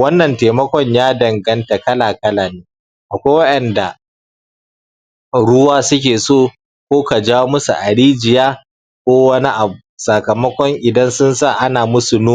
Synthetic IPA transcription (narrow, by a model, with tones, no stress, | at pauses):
wɐ˦nːɐ˨nteː˨mɐ˦kʷɔ˦ɲjaː˦dɐ˨ŋɡɐ˦nta˨kɐ˦laː˨kɐ˦laː˨neː˦ | ʔa˨kʷaː˦wɐ˦ʔɛ˨nda˨ | ɽʊ˦waː˦sʊ˦kʲeː˨soː˦˨ | kʷoː˦ka˨d͡ʒaː˦wo˦mʊ˦sṵ˨ʔa˨ɽiː˦d͡ʒɪ˨jaː˦ | kʷoː˦wɐ˦ni˦ʔa˨bu˨sɐ˨kɐ˨mɐ˦kʷɔ˦ŋʔɪ˨dɐ˦nsʊ˦nsa˦˨ʔa˦naː˨mʊ˦su˨noː˦